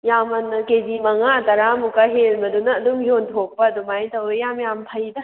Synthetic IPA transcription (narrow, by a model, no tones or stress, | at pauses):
jamɐnkezimɐŋaːtɐɾamukaɦelbɐdunɐːdumjontʰok̚pɐːdumajtɐwjamjampʰajdɐ